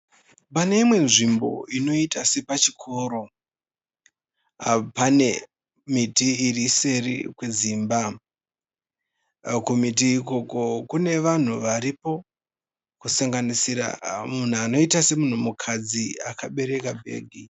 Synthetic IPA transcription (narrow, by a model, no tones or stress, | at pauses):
pane̞imwe̞nʐimbo̞̰ino̞itasipat͡ʃikʰo̞ːɾo̞ | pane̞ | mitiːrise̞rḭkweziːmba | kumit̬iːko̞ko̞kune̞ʋan̤uʋaɾipo̞ | kusaŋɡanisiɾa̰mun̤uano̞itase̞mun̤umukʰad͡ziakaɓe̞ɾe̞kabʱe̞̰ːɡʱi